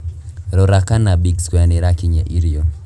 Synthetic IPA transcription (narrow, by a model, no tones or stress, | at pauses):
ɾɔɾakanabikskwɛnɪɾakiɲaʔiɾio